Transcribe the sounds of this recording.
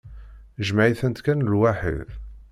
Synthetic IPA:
ʒmaʕiθənt̪kænəlwaħḭð

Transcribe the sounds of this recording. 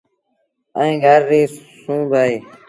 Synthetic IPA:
ə̰̃ĩːɡʱəɾːiːsũːbaːiː

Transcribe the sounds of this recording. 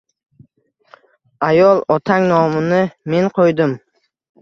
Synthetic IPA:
ajɒlˠɒt̪ʰaŋnɒmɪnɪme̞nqʰojd̪ɪm

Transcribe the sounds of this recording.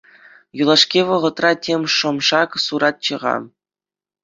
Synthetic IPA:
julˠɑʂkʲiʋɤ̆ʁɤ̆t̪rɑtʲʰemʲʂŏmʂɑksuɾɑt̪̚t͡ɕɤ̆ʁɑ̰

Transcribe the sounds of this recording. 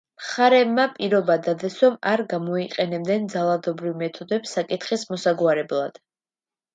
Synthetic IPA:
mχaɾɛbmapʼiɾɔbad̪ad̪ɛsɔmaɾɡamɔiqʼɛnɛb̚d̪ɛnd̪zalˠad̪ɔbɾivmɛt̪ʰɔd̪ɛpsːakʼit̪ʰχismɔsaɡwaɾɛblˠa̰d̪̥

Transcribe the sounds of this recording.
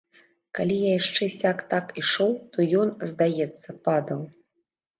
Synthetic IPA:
kalʲijajaʂt͡ʂɛsʲakt̪akiʂɔwt̪ɔjɔnzd̪ajɛt̪sːɐpad̪ɐw

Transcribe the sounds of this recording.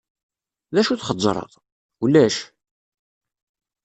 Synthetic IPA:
ðæʃuθχəzˤːɾˤə̰ðˤ | ulːæʃ

